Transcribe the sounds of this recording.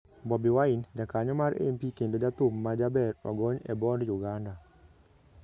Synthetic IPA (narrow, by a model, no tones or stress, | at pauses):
bɔbiwaɪnd͡ʒakaɲɔmaɾḛmpikendod͡ʒat̪umːad͡ʒabɛrwa̰ɡɔɲɛbɔndjuɡanda